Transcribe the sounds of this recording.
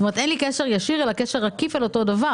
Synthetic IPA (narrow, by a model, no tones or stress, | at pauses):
omet̪enlikeʃeʁjaʃiʁelakeʃeʁakifalo̞to̞dava